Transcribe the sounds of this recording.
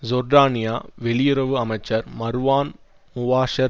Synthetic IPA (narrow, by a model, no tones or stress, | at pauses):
zɔɾɖaːnɪjaːʋɛɭɪjʊɾɐʋɯɐmɐɪt͡ʃːɐɾmɐɾɯʋaːn | mʊʋaːʂɐɾ